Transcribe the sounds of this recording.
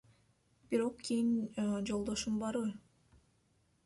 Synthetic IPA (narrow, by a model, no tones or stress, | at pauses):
biɾo̞qkʲʰijind͡ʒo̞lˠd̪o̞ʃumbɑɾβɯ